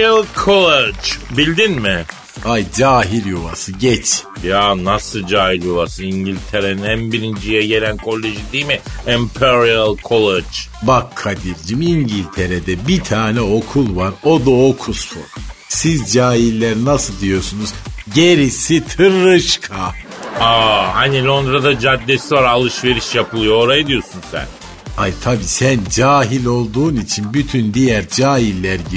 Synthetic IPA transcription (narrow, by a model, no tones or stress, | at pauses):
alˠkʰolˠed͡ʒbilʲd̪inmɪ | ajd͡ʒaːɦilʲjova̰sɯɟɛt͡ʃjaːnasɯd͡ʒaːhilʲjoβasɯniɲɟilʲt̪ʰeɾeninænbiɾind͡ʒijɛɟe̞lʲænkʰo̞lʲːeʒind̪ijmiɛmpʰɛɾialˠkʰolˠed͡ʒ | bakʰːad̪iɾd͡ʒimiɲɟilʲt̪ʰe̞ɾed̪ɛbit̪ʰaːnɛo̞kʰulˠvaɾo̞d̪aokʰuso̰ɾsizd͡ʒaːɦilʲːæɾnasɯlˠd̪ijo̞sunuzɟe̞ɾisit̪ʰɯɾːɯʃkʰa | ahanilʲˠo̞nd̪ɾad̪ad͡ʒad̪ːesivaɾalˠɯʃve̞ɾiʃjapʰɯlˠɯjo̞oɾajid̪ijosunsæ̰n | ajt̪ʰabiːsænd͡ʒaːɦilʲo̞lˠd̪uːnit͡ʃʰinbyt̪ʰynd̪ijæɾd͡ʒaːɦilʲːæɾɟi